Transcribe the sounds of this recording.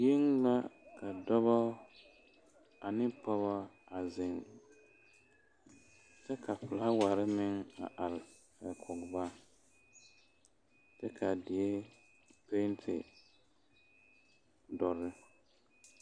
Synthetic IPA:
je˦ŋla˦kʰa˨dɔ˦bɔ˦ | a˨nɪ˦pɔ˦βa˦a˨zɪ˨ŋ | tɛ˦kʰa˨pʊ˨la˦wa˨ɾɪ˦mɪ˦ŋa̰˨ʔa˨l | ɛ˨kʰɔ˨ɡba˦ | tɛ˦kʰa˨dɪ˨e˦ | pe˦ntʰɪ̰˨ | dɔ˨ɾɪ˦

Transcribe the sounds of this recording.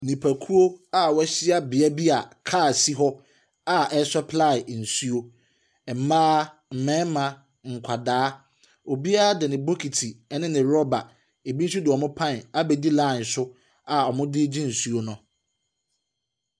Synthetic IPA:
nĩ˨pʰæ˨kʰu˦o˦a˨wɔ˦ɕɪ˦a˨bɪ˨ɛ˦bi˦a˨kʰaː˦˨si˦ɦɔ˦ | a˨ɛ˦sɔ˦pʰla˦˨ɪ˨n̩˨su˦o˦ | ɛ˨m̩˨mãː˦ | m̩˨mɛ̃˦mã˨ | ŋ̩˨kʷʰa˨daː˨˦ | o˨bi˦a˦a˦dɛ˨nɪ̃˨bo˦kʰi˨tʰi˨ɛ˦nɪ̃˦nɪ̃˨ɾɔ˦ba˨ | e˨bi˦s̬u˦dɪ˨ɔ˨mʊ̃˦pʰã˦˨na˦be˨di˦lã˦˨n̩˨sʊ˦ | a˨ɔ˨mʊ̃˦dɪ˦d͡ʑĩ˦n̩˨su˦o˦nʊ̃˦

